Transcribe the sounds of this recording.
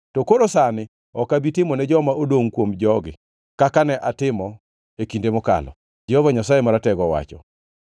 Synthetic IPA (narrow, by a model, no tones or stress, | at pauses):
tɔkoɾosanɪ | ɔkabitɪmɔnɛd͡ʒɔmaodoŋkwomd͡ʒɔɡɪ̰ | kakanɛʔatɪmɔ | ekindemʊka̰lɔ̰ | d͡ʒɛhɔvaɲasajemaɾatɛɡɔwa̰t͡ʃɔ̰